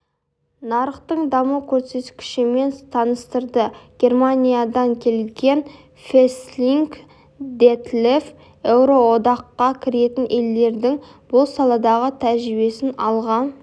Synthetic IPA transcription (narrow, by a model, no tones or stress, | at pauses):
nɑɾəqt̪əɴd̪ɑməkʲʰɵɾse̞t̪kʲɪ̥ʃɪme̞nt̪ʰɑnəst̪əɾd̪əɡ̥ʲe̞rmanʲijad̪ɑŋkʲʰe̞lɡʲe̞n | fesliŋk | d̪et̪lef | ewɾo̞wo̞d̪ɑqːɑkʲʰɪɾe̞t̪ɪnʔe̞ld̪e̞ɾd̪ɪŋ | b̥ʊlˠsɑlˠɑd̪ɑʁət̪ʰæʒɾɪbe̞sɪnɑlˠʁɑn